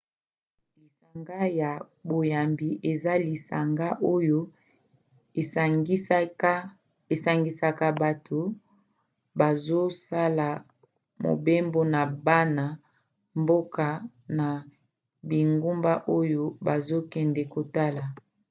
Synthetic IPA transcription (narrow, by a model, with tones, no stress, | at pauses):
i˨sa˨ŋɡa˦ja˨ | bo˨ja˨mbi˨ʔe˨za˦li˨sa̰˨ŋɡa˦ʔo˦jo˦˨˦ | e˨sa˨ŋɡi˨sa˦ka˦ba˨tʰo˨ | ba˨zo˦sa˦la˨ | mo̰˨be˦mbo˦na˨ba˦na˨ | mbo˦ka˨ | na˨ | bi˨ŋɡu˦mba˦ʔo˦jo˦ba˨zo˦kɛ˨ndɛ˨ko˨ta˦la˨